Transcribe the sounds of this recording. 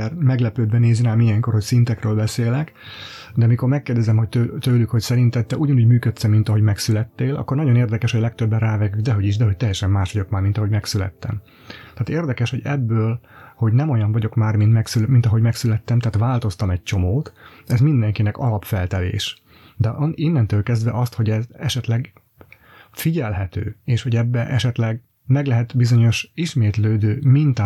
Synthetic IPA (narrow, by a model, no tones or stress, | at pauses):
ɛrmɛɡlɛpøːd̪̚bɛneːzinaːmijɛŋko̞rho̞csint̪ɛkrøːlbɛseːlɛk | d̪ɛmiko̞rmɛkːeːrd̪ɛzɛmho̞c̚t̪øt̪øːlykho̞csɛɾint̪ɛt̪ːɛʔuːɟɒnuːɟmyːkøt̪sɛmːin̪t̪ɒɦo̞ɟmɛksylɛt̪ːeːlʔɒ̰kːo̞rnɒɟo̞neːrd̪ɛkɛʃhoɟlɛk̚t̪øbːɛnraːvɛɡyɡd̪ɛɦo̞ɟiʃd̪ɛɦo̞c̚t̪ɛjɛʃɛmːaːʃʋɒɟo̞kmaːrmint̪ɒɦo̞ɟmɛksylɛ̰t̪ːɛ̰m | t̪ɛːt̪eːrd̪ɛkɛʃho̞ɟɛbːøːlho̞ɟnɛmo̞jɒɱvɒɟo̞kmaːrmint̪mɛksylmint̪ɒɦo̞ɟmɛksylɛt̪ːɛmt̪aːt̪vaːlt̪o̞st̪ɒmɛc̚t͡ʃo̞moːt̪ | ɛzmind̪ɛŋkinɛkɒlɒpfɛlt̪ɛlḛːʃ | d̪ɛʔninːɛnt̪øːlkɛzd̪vɛʔɒst̪ho̞ɟɛzɛʃɛt̪lɛɡ | fiɟɛlɦɛt̪ø̰ːeːʃho̞ɟɛbːɛʔɛʃɛt̪lɛɡ | mɛɡlɛɦɛt̪bizo̞ɲo̞ʃiʃmeːt̪løːd̪øːmint̪aː